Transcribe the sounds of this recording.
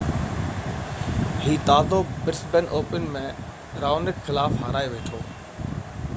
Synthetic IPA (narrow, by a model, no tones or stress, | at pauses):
hiːt̪aːzoːbɪɾsbɛnʔoːpənmẽː | ɾaːʋnɪkxɪlaːfɦaːɾaːeʋeːʈʰoː